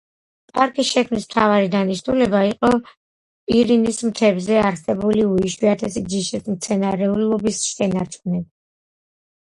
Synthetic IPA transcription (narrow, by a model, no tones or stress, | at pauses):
pʼaɾkʰisʃɛkʰmnismt̪ʰavaɾid̪aniʃnulɛbaiqʼɔ | iɾinismt̪ʰɛbzɛaɾsɛbuliuiʃwiat̪ʰɛsid͡ʒiʃismt̪sʰɛnaɾɛullˠɔbisʃɛnaɾt͡ʃʰʼunɛb